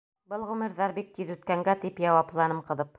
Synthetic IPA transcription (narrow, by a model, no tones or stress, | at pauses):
bɤlˠʁʉmɘ̆ɾðɑɾbik̚t̪iðʉt̪̚kæŋɡæt̪ipjɑwɑplˠɑnɤmqɤ̆ðɤp̚